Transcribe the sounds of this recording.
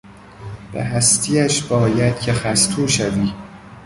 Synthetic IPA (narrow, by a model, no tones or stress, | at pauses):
b̥ḛɦæst̪ʰiæʃbɒːjæd̪̥̚cʲʰexæst̪ʰuːʃæviː